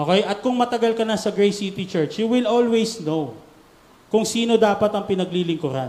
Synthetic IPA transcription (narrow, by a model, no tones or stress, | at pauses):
ʔoːkɛjʔɐt̪̚kʊŋmɐt̪ɐɡɐlkɐnɐsɐɡɹejsit̪ɪt͡ʃɛɹt͡ʃjuwɪlolwɛjsnow | kʊŋsiːno̞d̪aːpɐt̪ɐŋpɪnɐɡ̚lilɪŋkʊɾa̰n